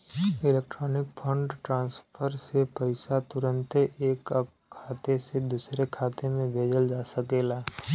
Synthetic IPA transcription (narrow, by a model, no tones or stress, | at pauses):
ɪleːk̚ʈɾɔːnɪk̚pʰə̃ɳɖʈɾãːnspʰəɾsepəɪsat̪ʊɾə̃nt̪eːk | kʰːaːt̪esed̪uːsɾekʰaːt̪emẽbʱeːd͡ʒəld͡ʒaːsəkeːlaː